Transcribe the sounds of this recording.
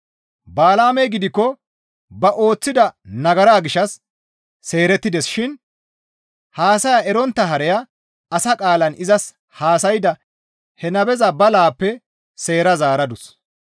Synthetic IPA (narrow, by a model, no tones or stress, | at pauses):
baːlaːmɛjɡɪd̪ɪkːɔ | bɐʔo̞ːt͡sːɪd̪ɐnɐɡɐɾaːɡɪʃːɐsː | e̞ːɾɛt̪ːɪd̪ɛsʃɪn | haːsɐjaɛɾɔnt̪ːɐɦɐɾɛjɐ | ɐsɐkʼaːlɐnɪzɐs | haːsɐjɪd̪ɐ | hɛnɐbɛzɐbɐlaːpːɛ | se̞ːɾɐzaːɾɐd̪ʊs